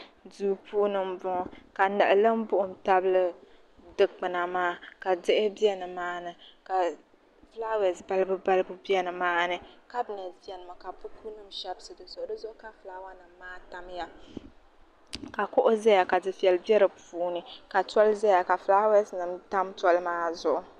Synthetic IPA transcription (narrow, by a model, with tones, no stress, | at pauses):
duː˦puː˦nɨ˨m˦bʊ˦ka˨nɨ˨ʔɨ˨lɨ˦m˦bʊ˦ʔʊ˦m˨ta˦bɨ˦lɨ˦ | dɨ˨k̚k͡pɨ˨na˨maː˦ka˨dɨ˦ʔɪ˦bi˦ɛ˦nɨ˨maː˦nɨ˨ka˨ | fla˦wɛ˨sba˦lɨ˦bɨ˦ba˦lɨ˦bɨ˦bi˦ɛ˦nɨ˨maː˦nɨ˦ka˦bɨ˨na˨zi˨˦ɛ˨nɨ˨mɨ˨ka˨bu˦ku˦nɨ˦mʃɛ˦bsɨ˨dɨ˨sʊ˨ʔʊ˨dɨ˦zʊ˦ʔʊ˦ka˨flaː˦wa˦nɨ˨mːaː˦ta˦mja˦ | ka˨kʊ˦ʔʊ˦zɛ˦ja˨ka˨dɨ˨fi˨ɛ˨lbɛ˦ɾɨ˨puː˨˦nɨ˨ka˨tɔ˦lzɛ˦ja˨ka˨fla˦wɛ˦snɨ˨mta˦mtɔ˦lmaː˦zʊ˨ʔʊ˨˦